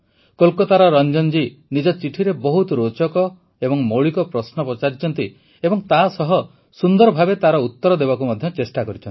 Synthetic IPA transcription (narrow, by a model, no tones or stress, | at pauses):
kolkɔt̪aɾɔɾɔnd͡ʒɔnd͡ʒinid͡ʒɔt͡ʃiʈʰiɾebɔɦut̪ɾot͡ʃɔkɔ | ebɔŋmoɭikɔpɾɔsnɔpɾɔt͡ʃaɾit͡ʃʰɔnt̪i | ebɔŋt̪asɔɦɔ | sund̪ɔɾɔbʱabet̪aɾɔut̪ːɔɾɔd̪eβakumɔd̪ʱjɔt͡ʃesʈakɔɾit͡ʃʰɔnt̪i